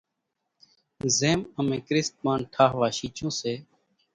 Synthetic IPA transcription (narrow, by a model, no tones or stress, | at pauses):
zeːməmẽːkɾɪst̪̚maːnʈʰaːɦʋaːʃiːt͡ʃõːseː